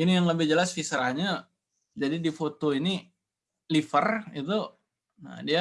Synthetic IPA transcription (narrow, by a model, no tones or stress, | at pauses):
inijaŋləbɪhd͡ʒəlasfisɾahɲa | d͡ʒadidifot̪oini | lifərit̪̬u | na̰dia